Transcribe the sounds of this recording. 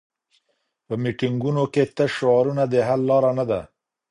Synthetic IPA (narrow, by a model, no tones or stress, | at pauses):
pəmiʈiŋɡunoket̪əʃoɑɾunad̪əɦalːɑɾanad̪a